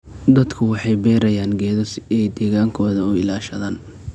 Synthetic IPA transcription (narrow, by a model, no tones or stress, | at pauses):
d̪ɐd̪kʰʊwɑħɑjbɛːɾɐjaːnɡɛːðɔsɛjd̪ɛːɣaːŋkʰɔːðɐʊɪlaːʃɐðaːn